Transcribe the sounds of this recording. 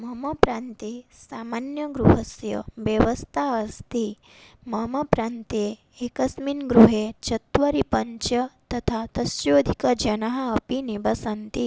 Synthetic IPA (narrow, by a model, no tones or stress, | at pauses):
mɐmɐpɾant̪esaːmanjɐɡɾuɦɐsjɐ̰ʋjɐʋɐst̪ʰaɐst̪i | mɐmɐpɾant̪e | ekɐsminɡɾuɦet͡ʃɐt̪ʋɐɾipɐɲt͡ʃɐt̪ɐt̪ʰat̪ɐsjoːd̪ʱikɐd͡ʒɐnaɦɐːpinibɐsɐnt̪i